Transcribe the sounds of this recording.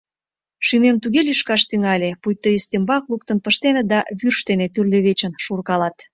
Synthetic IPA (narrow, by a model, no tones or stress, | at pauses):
ʃymemt̪uɣelʲyʃkɑʃt̪yŋɑlʲepujt̪ːəjyst̪embɑkluk̚t̪ənpəʃt̪ened̪ɑβyrʃt̪enet̪yrlʲøβet͡ɕə̆nʃurkɑlɑt̪